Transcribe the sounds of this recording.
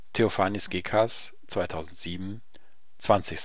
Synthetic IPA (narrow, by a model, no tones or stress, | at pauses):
tʰeofaːnɪsɡ̥eːkʰas | t͡sv̥aɪtʰaʊzn̩tz̥iːbm̩ | t͡sv̥ant͡sɪçs